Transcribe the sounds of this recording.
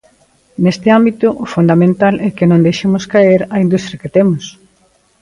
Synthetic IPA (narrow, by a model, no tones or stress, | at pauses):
nest̪ɪambit̪ʊʔʊfund̪amẽnt̪alʔɛkɪnõnd̪ejʃemʊskaeɾɐind̪ust̪ɾjɐket̪emʊs